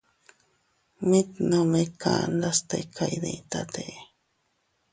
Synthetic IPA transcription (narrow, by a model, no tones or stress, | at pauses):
mĩt̪nõmẽkʰand̪ast̪ejkʰajd̪ẽt̪at̪eʔ